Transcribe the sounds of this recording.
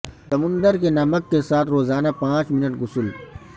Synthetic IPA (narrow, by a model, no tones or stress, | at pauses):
sɐmʊ̃nd̪əɾkenɐməkːesaːt̪ʰɾoːzaːnapãːt͡ʃmɪnəʈɡʊsʊl